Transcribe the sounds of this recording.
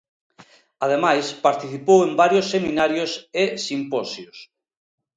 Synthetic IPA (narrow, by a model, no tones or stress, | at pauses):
að̞emajspaɾt̪iθipowembaɾjosːemĩnaɾjosesimpɔsjos